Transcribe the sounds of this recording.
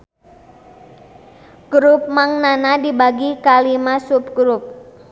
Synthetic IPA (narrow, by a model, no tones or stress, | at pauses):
ɡ̥ɾup̚maŋnanadibaɡikalimasup̚ɡɾup̚